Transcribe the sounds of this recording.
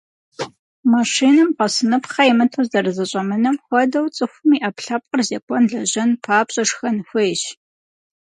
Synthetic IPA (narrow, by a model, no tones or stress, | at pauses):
maːʂiːnɨmqɐsɨnɨpχɐjɛmɨtʰuzɐɾɨzɐɕʼɐmɨnɐmxʷɔdɐwt͡sʼɨxʷʊmiːʔɐpɬɐp̚qʼərzekʷʰʼɔnɮɐʑɐnpʰaːpɕʼɐʂxɐnxʷʊjɕ